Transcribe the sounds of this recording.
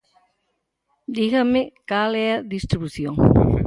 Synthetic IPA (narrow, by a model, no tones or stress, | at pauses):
d̪iɣɐmekalɛɐðist̪ɾiβuθjõŋ